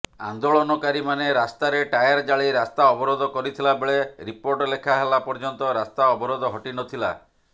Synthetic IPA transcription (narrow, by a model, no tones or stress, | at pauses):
a̰nd̪oɭɔnɔkaɾimaneɾast̪aɾeʈajaɾd͡ʒaɭejɾast̪aɔbɔɾɔd̪ʱɔkɔɾit̪ʰilabeɭeɾipoɾʈlekʰaɦelapɔɾd͡ʒɔnt̪ɔɾast̪aɔbɔɾɔd̪ɔɦɔʈinɔt̪ʰila̰